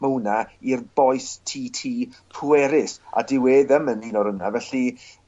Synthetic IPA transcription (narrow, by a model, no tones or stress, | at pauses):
məwnairbɔjstʰiːtʰiːpʰuɛɾɪsa̰dɪweːðəməniːnɔɾʊnavɛɬi